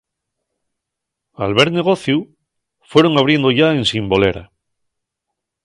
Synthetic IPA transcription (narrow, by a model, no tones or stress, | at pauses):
alβe̞ɾne̞ɣ̞o̞θju | fwe̞ɾo̞ŋaβ̞ɾje̞nd̪oʝaensimbo̞le̞̰ɾa̰